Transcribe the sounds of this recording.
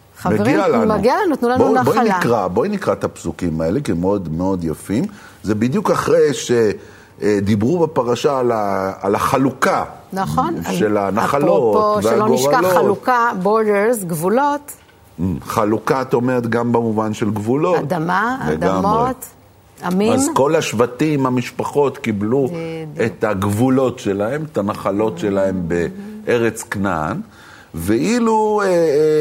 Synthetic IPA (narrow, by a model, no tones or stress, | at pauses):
χameeʁɡialanmaɡialanut̪nulanboboinikʁaboinikʁat̪apsukimae̞lekimeo̞dmeo̞d̪jafim | zebid̪jukaχʁejʃe | d̪ibʁubepaʁaʃaːlaːlaχalukanaχonʃe̞lanaχalopovealoiʃkaloχaukaboʁdeʁzɡvulo̞t | χalukaːt̪ao̞meʁet̪ɡambemuvanʃelɡvulo̞tdamaleɡamʁoet̪ | amiamzko̞laʃvatimhamiʃpaχo̞tkibluet̪aɡvulo̞tʃe̞lahe̞metanaχalo̞tʃe̞lahe̞mbeʔeʁet͡skna̰n | veʔilue